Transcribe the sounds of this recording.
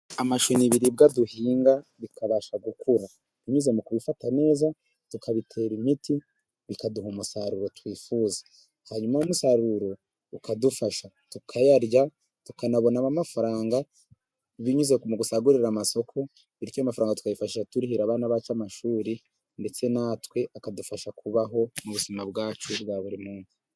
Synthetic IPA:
amaʃuniβiɾib̚ɡaduhiːŋɡaβikaβaʃaɡukuɾa | βiɲuze̞mukuβifatane̞ːza | tukʰaβitʰe̞ːɾimiti | βikaduhumusaɾuɾo̞twiːfuːzḁ | haɲumajumusaɾuɾo̞ | ukadufaʃa | tukʰajaɾja | tukanaβo̞naβamafaɾaːŋɡa | βiɲuzekmuɡusaɡuɾiɾamaso̞kʰo̞ | iɾicoamafaɾaːŋɡatu̥kajifaʃiʃatuɾihiɾaβaːnaβat͡ʃamaʃuːɾi | nde̞t͡se̞natwe̞ʔakadufaʃakʰuβaɦo̞muβuzimabɡaːt͡ʃubɡaːβuɾimuːnsi̥

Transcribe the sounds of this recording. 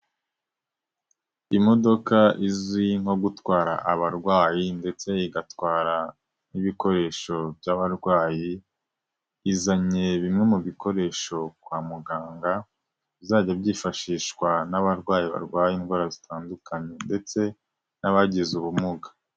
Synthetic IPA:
imo̞do̞kaiziŋ̥o̞ɡutwaːɾa̰ʔaβaɾɡwaːjinde̞t͡se̞iɡatwaːɾa | niβiko̞ɾe̞ːʃo̞bɟaβaɾɡwaːji | izaɲe̞βimŋe̞muβiko̞ɾe̞ːʃo̞kwaːmuɡaːŋɡa | βizaːɟabɟiːfaʃiːʃkwanaβaɾɡwaːjiβa̰ɾɡwaːjinɡwaːɾazitʰaːndukʰaɲe̞nde̞t͡se̞ | naβaɟizuβumuɡḁ

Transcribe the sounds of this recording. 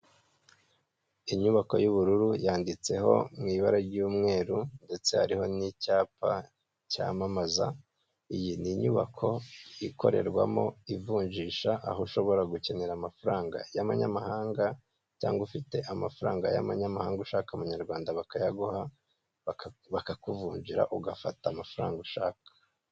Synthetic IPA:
iɲuβako̞̰juβuɾuɾujaːndit͡se̞ɦo̞̰mŋiːβaɾaɾɟuːmŋe̞ːɾunde̞t͡se̞ha̰ɾiho̞nicaːpa̰ | ca̰ːmamaza | ijiniɲuβa̰kʰo̞iko̞̰ɾḛɾɡwa̰mo̞̰ivuːɲʒiːʃaʔa̰hoʃo̞βo̞ɾaɡuce̞ne̞ɾamafuɾaːŋɡa̰jamaɲamahaːŋɡa | caːŋɡufite̞ʔamafuɾaːŋɡaja̰maɲamahaːŋɡuʃaːkaumuɲaɾɡwaːndaβakajaɡuha | βakakuvuːɲɟiɾa̰ʔuɡafatamafuɾaːŋɡuʃaːkḁ

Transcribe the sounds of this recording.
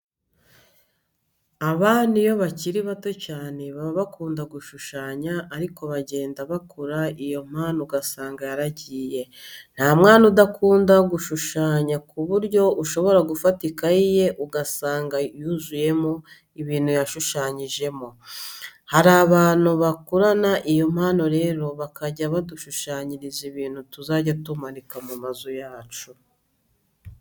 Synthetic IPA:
aβaːnijo̞βaciɾiβato̞caːne̞βaββakuːndaɡuʃuʃaːɲaːɾiko̞βaɟe̞ːndaβakʰoɾaijo̞m̥aːnuɡasaːŋɡajaɾaɟiːje̞n̥haːmŋaːnudakʰuːndaɡuʃuʃaːɲakuβuɾɟo̞uʃo̞βo̞ɾaɡufatikaije̞ʔuɡasaːŋɡajuzuje̞mo̞ | iβiːn̥hujaʃuʃaːɲiʒe̞mo̞ | haɾaːβaːnuβakuɾanaʔijo̞m̥haːno̞ɾe̞ɾo̞βakaɟaβaduʃuʃaːɲiɾiziβiːn̥hutuzaːɟatumanikamumazojaːt͡ʃu

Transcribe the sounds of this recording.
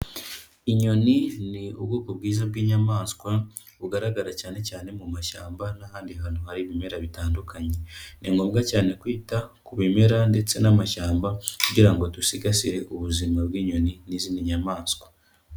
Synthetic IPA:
iɲo̞niniubɡuːkobɡiːzabɡiːɲamaːnskwa | uɡaɾaɡaɾacaːne̞caːne̞mumaʃaːmbanahaːndiɦanohaɾiβime̞ɾaβitaːndukʰaɲe̞niŋɡoːmɡacaːne̞kwiːtakuβime̞ɾande̞t͡se̞namaʃaːmbakuɟiɾaŋɡo̞tusiɡasiɾe̞ʔuβuzimabɡiːɲo̞niniziːndiɲamaːnskwa

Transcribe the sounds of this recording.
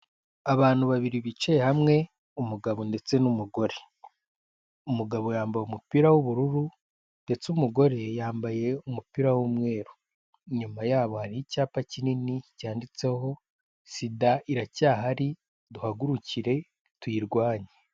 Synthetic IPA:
aβaːn̥huβaβiɾiβit͡ʃejehamŋe̞ | umuɡaβonde̞t͡se̞numuɡo̞ɾe̞ | umuɡaβo̞jaːmbajumupiɾawuβuɾuɾu | nde̞t͡sumuɡo̞ɾe̞jaːmbaje̞umupiɾawumŋe̞ːɾu | ɲumajaːβo̞haɾiicaːpacininicaːndit͡se̞ho̞ | sidaiɾacaːɦaɾi | duhaɡuɾuciɾe̞ | twiːɾɡwaːɲe

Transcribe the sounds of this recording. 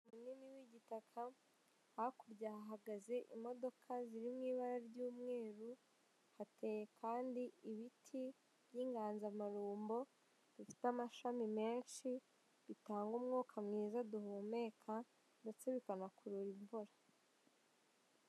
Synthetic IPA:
umunimiwiɟitakʰa | hakuɾɟahaɦaɡaze̞ʔimo̞do̞kʰaziɾimŋiːβaɾaɾɟuːmŋe̞ːɾu | hate̞jekʰaːndiiβitʰi | βjiːŋɡaːnzamaɾuːmbo̞ | d̥ifi̥tamaʃamime̞ːnʃi | βitaːŋɡumŋuːkʰamŋiːzaduhume̞ːkʰa | ndet͡seβikanakuɾuɾiɱvuɾa

